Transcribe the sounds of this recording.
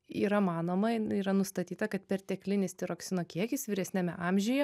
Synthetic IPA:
ḭːɾɐmɑːnoːmɐiːɾɐnʊst̪ɐt̪ʲiːt̪ɐkɐt̪̚pʲɛɾt̪ʲɛːklʲɪnʲɪst̪ʲɪɾoːksʲɪnoːkʲiɛkʲɪsʋʲɪɾʲɛsʲnʲɛmʲɛʔɑːmʲʒʲɪjɛ

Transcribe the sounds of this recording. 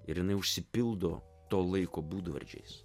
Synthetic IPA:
ɪɾjɪnɐɪʊʃʲsʲɪpʲɪlˠd̪oː | t̪oːlˠɐɪkoːbuːd̪ʋɐ̰ɾʲd͡ʒʲɛ̰ɪs

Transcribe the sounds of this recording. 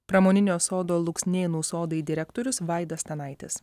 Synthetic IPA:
pɾɐmoːnʲɪnʲoːsoːd̪oːlˠʊksʲnʲeːnuːsoːd̪ɐɪd̪ʲɪɾʲɛkt̪oːɾʲʊsʋɑˑɪd̪ɐsʲt̪ʲɐnɑɪt̪ʲɪ̰s

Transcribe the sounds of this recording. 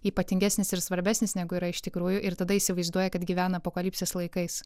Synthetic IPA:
iːpɐt̪ʲɪŋʲɡʲæːsʲnʲɪsɪɾsʋɐɾʲbʲæːsʲnʲɪsnʲæɡʊiːɾɐɪʃt̪ʲɪkɾuːjʊʔɪɾt̪ɐd̪ɐiːsʲɪʋɐɪzd̪uɔjɛkɐt̪ɡʲiːʋʲæːnɐːpokɐlʲɪːpʲsʲeːslˠɐɪkɐɪs

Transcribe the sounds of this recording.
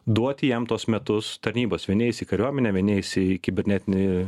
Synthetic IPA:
d̪uɔt̪ʲɪjɛmt̪uɔsmʲɛt̪ʊst̪ɐɾʲnʲiːboːsʋʲɛɪnʲeːjɪsʲiːkɐɾʲuɔmʲɛnʲɛːʋʲɛɪnʲejɪsɪkʲɪbʲɛɾʲnʲɛt̪ʲɪnʲɪ

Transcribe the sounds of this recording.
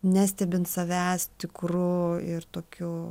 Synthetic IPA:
nʲæːsʲt̪ʲɛbʲɪnt̪sɐʋʲæːst̪ʲɪkɾʊɪrt̪oːkʲu

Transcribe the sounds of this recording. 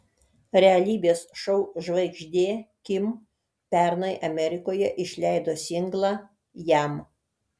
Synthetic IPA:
ɾʲɛɐlʲiːbʲeːsʃɔʊʒʋɐɪɡʒʲd̪ʲeːkʲɪm | pʲæˑɾnɐɪʔɐmʲɛɾʲɪkoːjɛʔɪʃʲlʲæɪd̪oːsʲɪŋɡlˠɑ | jæm

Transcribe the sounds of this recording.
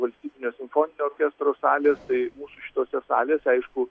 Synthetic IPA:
ʋɐlʲsʲt̪ʲiːbʲɪnʲoːsʲɪmfoːnʲɪnʲoːoːɾʲkʲest̪ɾoːsɑːlʲeːst̪ɐɪmuːsuʃʲɪ̥t̪oːsʲɛsɑ̰ːlʲeːsɛɪʃkʊ

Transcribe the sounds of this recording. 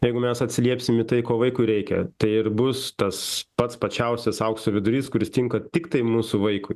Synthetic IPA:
jɛɪɡʊmʲɛsɐt̪ʲsʲɪlʲiɛpʲsʲɪmɪt̪ɐɪkoːʋɐɪkʊɪɾʲɛɪkʲɛt̪ɐɪɪrbʊst̪ɐspɐt̪spɐt͡ʃʲɛʊsʲɛsɐʊksoʋʲɪd̪ʊɾʲiːskʊɾʲɪst̪ʲɪŋkɐt̪ʲɪkt̪ɐɪmuːsuʋɐɪkʊɪ

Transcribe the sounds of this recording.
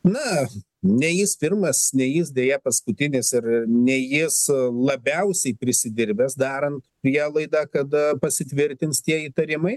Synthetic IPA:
nɐ | nʲɛjɪspʲɪrmɐsnʲɛjɪsd̪ʲeːjɛpɐskʊt̪ʲɪnʲɪsɪrɪnʲɛjɪslˠɐbʲɛʊsʲɛɪpʲɾʲɪsʲɪd̪ʲɪɾʲbʲɛsd̪ɑːɾɐnt̪pʲɾʲiɛlˠɐɪd̪ɑkɐt̪pɐsʲɪt̪ʲʋʲɪɾʲt̪ʲɪnst̪ʲiɛiːt̪ɐɾʲɪmɐɪ

